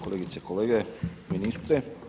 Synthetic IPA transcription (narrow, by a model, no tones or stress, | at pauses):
koleɡit̪sekoleːɡeminist̪ɾe